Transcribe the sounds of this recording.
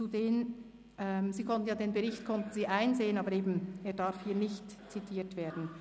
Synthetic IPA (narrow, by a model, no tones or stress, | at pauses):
t͡sudeːn | ɛmziːkʰɔntn̩jaːdeːnbɛʁɪçtkʰɔntn̩ziːʔaɪnzeːənaːbəɾeːbmn̩eːɐdaɾfhiːɐnɪçt | t͡sitʰiːtv̥eːɐdn̩